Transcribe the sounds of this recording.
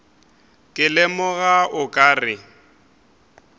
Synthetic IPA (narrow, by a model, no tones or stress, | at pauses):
kʼɪlɪmʊɣaʊkʼaːrɪ